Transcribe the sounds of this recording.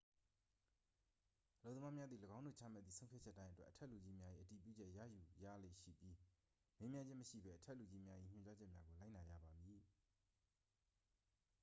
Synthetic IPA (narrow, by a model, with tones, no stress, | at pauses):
ʔəlo˦˨t̪ə˨ma˦mja˦d̪ði˨ləɡã˦ʊ̃ndo̰˦˨t͡ɕʰa̰˦˨mɛ̰˦t̪ðḭ˦˨sʰõ˦ʊ̃pʰjt͡ɕʰɛ˦ʔtːã˦ɪ̃ʔətwɛ˦ʔətʰɛ˦ʔlu˨d͡ʑi˦mja˦ʔḭ˦ʔəti˨pjṵ˦˨d͡ʑɛ˦ʔjä̰˦˨ju˨ja̰˦˨le˦˨ʔʃḭ˦˨pji˦ | me˦mjã˦ɲd͡ʑɪ̃˦məʃḭ˦˨bɛ˦ʔətʰɛ˦ʔlu˨d͡ʑi˦mja˦ʔḭ˦˨ɲ̥ʊ̃˨t͡ɕa˦d͡ʑɛ˦ʔmja˦ɡo˨la˦ɪʔna˨ja̰˦˨ba˨mji˨